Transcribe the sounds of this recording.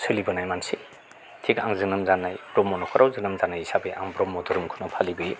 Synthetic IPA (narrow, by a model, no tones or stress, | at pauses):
sʰɯlibɯnajmansi | tʰikaŋzɯnɯmzanːajbɾɔmɔnɔkʰɔɾʔawzɯnɯmzanajisabeʔaŋbɾɔmːɔdɯɾɯmkʰunɯpʰalibɯj